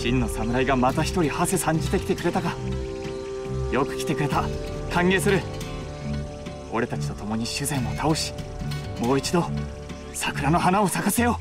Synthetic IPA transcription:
ɕĩnːo̞samɯ̟ɾaiɡamat̪açi̥t̪o̞ɾʲihasesãɲ̟d͡ʑit̪e̞kʲit̪e̞kɯ̟ɾe̞t̪aka | jo̞kɯ̟̥kʲt̪e̞kɯ̟ɾe̞t̪a | k̪ʰãŋɡe̞ːsɨɾɯ̟ | o̞ɾe̞t̪at͡ɕi̥t̪o̞t̪o̞mo̞ɲ̟iɕɨzẽ̞mːo̞t̪ʰaoɕi̥mo̞ːit͡ɕid̪o̞ | sakɯ̟ɾano̞ɦanao̞sakase̞jo̞

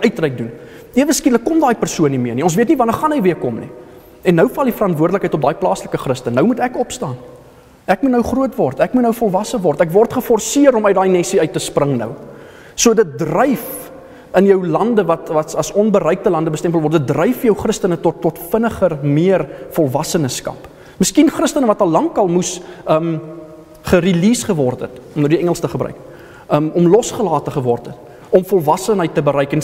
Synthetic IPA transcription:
ʔœɥtrɛjk̚dun | iəvəskiləkːɔmdɑːjpərsuənimiərniɔnsviətnivɐnərχɐnɦəjviəkɔmnḭ | ɛnːəwfɐlˠdifəɾɐntvuərdələkɦɛəjtɔp̚dɑːjplɑːsləkəχrəstənəwmutækɔpstɑːn | ʔækmutnəwχruətvɔrtækmutnəwfɔlˠvɐsəvɔrtækvɔrtχəfɔrsiəɾɔmœɥt̚dɑːjnɛsiœɥtːəsprəŋnə̰w | suədət̚drɛjf | ənjœwlɐndəvɐtvɐtɐsɔnbəɾɛjk̚təlɐndəbəstɛmpəlˠvɔrtdət̚drɛjfjœwχrəstənətɔtːɔtfənəχərmiərfɔlˠvɐsənəskɐ̰p | məskinχrəstənəvɐtɐlˠːɐŋkɐlˠmusəm | χəɾiliːsχəvɔrtə̰tɔmədiɛŋəlˠstəχəbrœ̰ɥk | əmɔmlɔsχəlɑːtəχəvɔrtət | ɔmfɔlˠvɐsənɦəjtːəbəɾɛjkɛn

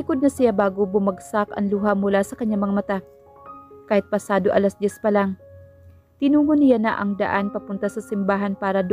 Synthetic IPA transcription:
ɪkod̪̚nɐsɪjabaːɡobʊmɐɡsakʔɐ̰ŋluɦamʊlasɐkɐɲːaŋmɐŋamɐt̪a | kaːhɪt̪̚pɐsaːd̪oʔɐlasd̪jɛspɐlaŋ | t̪ɪnuːŋonɪjanɐʔɐ̰ŋd̪ɐ̰ʔanpɐpʊnt̪asɐsɪmbaːɦɐnpaːɾɐd̪

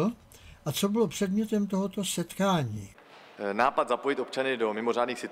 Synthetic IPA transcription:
ʔat͡so̞bɪlo̞pr̝̥ɛdmɲɛt̪ɛmt̪o̞ɦo̞t̪o̞sɛt̪kaːɲiː | naːpat̪zapojɪt̪o̞pt͡ʃanɪdo̞mɪmo̞raːdniːxsɪt̪

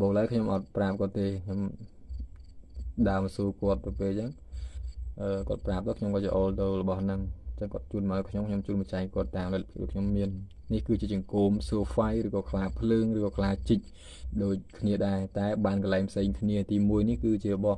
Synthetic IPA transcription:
ɓoːk̚ləəkʰɲomʔɑt̪̚praːp̚kŏət̪ːeːkʰɲom | ɗaəmsuəkŏət̪̚nɨpeːlt͡ɕəŋ | ʔəːkŏət̪̚praːp̚t̪əkʰɲomkɔːjəʔoːlt̪ɨwləɓɑhnɨŋt͡ɕəŋkŏət̪̚t͡ɕuːənməəkʰɲomkʰɲomt͡ɕuːnmət͡ɕaɛŋkŏət̪ːaːmlɛt̪̚pʰkɗo̰ːjkʰɲomːiənː | ihkɨːt͡ɕiət͡ɕɑŋkoːmsuəfajrɨːkɑːkʰlaːpʰləːŋrɨːkɑːkʰlaːt͡ɕɨc̚ | ɗoːc̚kʰniəɗaɛt̪aɛɓaːnkɑlaɛŋpʰseːŋkʰniət̪iːmuəjnihkɨːt͡ɕiələɓɑh

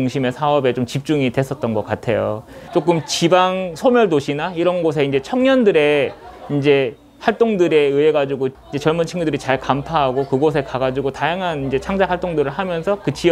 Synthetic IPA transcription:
uŋɕʰime̞sʰaʌbe̞t͡ɕomt͡ɕip̚t͡ɕ͈uŋidwe̞s͈ʌt̚t͈ʌnɡʌk͈atʰe̞̰jo̰t͡ɕ͈ok̬͈ɯmt͡ɕibaŋsʰomjʌɭdoɕʰinaiɾʌnɡʌs̬ʰe̞ind͡ʑe̞t͡ɕʰʌŋɲʌndɯɾe̞ind͡ʑe̞ | haɭt͈oŋdɯɾe̞ɯe̞ɡad͡ʑiɡoind͡ʑe̞t͡ɕʌɭmunt͡ɕʰiŋɡudɯɾit͡ɕaɭkampʰaɦaɡokɯɡʌs̬ʰe̞kaɡad͡ʑiɡotajaŋɦanind͡ʑe̞t͡ɕʰaŋd͡ʑaɦwaɭt͈oŋdɯɾɯɭɦamjʌnsʰʌkɯt͡ɕi

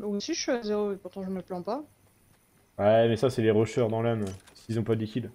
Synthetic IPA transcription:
osiʒəfyazeʁoepuʁt̪ɑ̃ʒəməplɑ̃pa | wɛmɛsasɛleʁɔʃœʁd̪ɑ̃lamsilzɔ̃pad̪likʲid̪

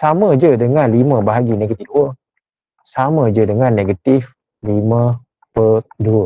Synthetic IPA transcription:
samə̃d͡ʒədəŋanlimə̃baɦaɡineɡət̪ifduə | samə̃d͡ʒədəŋanːeɡat̪ɪf | limə̃ | pəduə

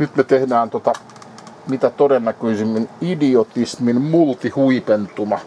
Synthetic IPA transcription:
nyt̪met̪ehdæːnt̪ot̪ɑ | mit̪æt̪odenːækøisimːinidiot̪isminmult̪ihuipent̪umɑ

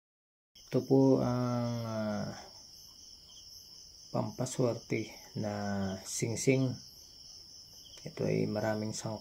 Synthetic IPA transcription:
t̪upuaŋ | pampaswərt̪ihnasiŋsɪŋ | it̪ṵḭməɾamɪŋsɔŋ

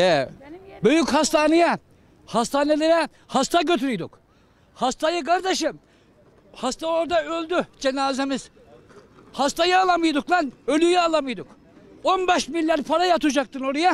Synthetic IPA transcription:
ɛbøjychast̪ʰaːneja | hast̪ʰaːnelʲeɾɛ | hast̪ʰaɟøt̪ʰyɾyjd̪ṵk | hast̪ʰajɯkʰaɾd̪eʃɯm | hast̪ao̞ɾd̪aølʲd̪yd͡ʒenaːzemiz̥ | hast̪ʰajɯaːlˠamɯjd̪uklˠanølʲyjɛalˠamɯjd̪uk | o̞nbɛʃmilʲːæɾpʰaɾajat̪ʰud͡ʒak̚t̪ʰɯno̞ɾaja

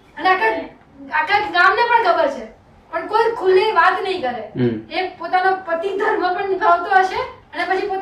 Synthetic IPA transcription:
əneaka | akad͡ʒɡamnepəɳkʰəbəɾt͡ʃʰe | pəɳkojkʰuleʋat̪nəɦĩkəɾeepot̪anopət̪id̪ʱəɾmãpəɳnikʰaʋt̪oɦəʃeənepət͡ʃʰipot̪

